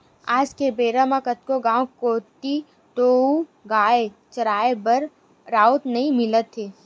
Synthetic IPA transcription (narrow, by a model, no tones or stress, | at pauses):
aːd͡ʒkebeːɾamãkət̪̚koɡãːwkoːt̪i | t̪oːuɡaːe | t͡ʃɐɾaːebəɾ | ɾaːut̪nɐɦĩmɪlət̪ɦeː